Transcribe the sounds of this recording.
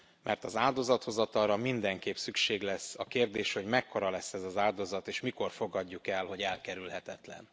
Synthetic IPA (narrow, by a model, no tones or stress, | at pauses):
mʔɛrt̪ɒzaːld̪o̞zɒt̪ho̞zɒt̪ɒɾɒmind̪ɛŋkeːpsykʃeːɡlɛsːɒkeːrd̪eːʃho̞ɟmɛkːoɾɒlɛsːɛzɒzaːld̪o̞zɒt̪eːʃmiko̞rfo̞ɡɒɟːukɛlho̞ɟɛlkɛɾylɦɛt̪ɛt̪lɛ̰n